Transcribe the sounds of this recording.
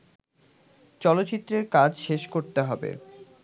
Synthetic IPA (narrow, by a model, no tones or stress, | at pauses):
t͡ɕɔlot̪ːt͡ɕit̪ːɾeɾkad͡ʑʃeʃkoɾt̪eɦɔbḛ